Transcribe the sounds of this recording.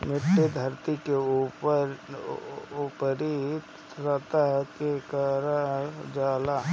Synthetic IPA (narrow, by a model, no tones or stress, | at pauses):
mɪʈːed̪ʱəɾt̪ike | upəɾi | ɾət̪akekəɾad͡ʒaːla